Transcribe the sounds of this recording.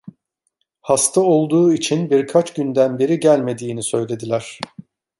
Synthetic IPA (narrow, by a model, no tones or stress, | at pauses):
hast̪ʰao̞lˠd̪uːit͡ʃʰinbiɾkʰat͡ʃɟynd̪ænbiɾiɟælʲme̞d̪iːnisø̞jlʲe̞d̪ilʲæɾ̝̥